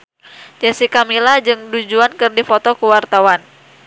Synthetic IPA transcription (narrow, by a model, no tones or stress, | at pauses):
d͡ʒasikamilad͡ʒɨŋdud͡ʒuankɨrdifot̪ɔkuwart̪awan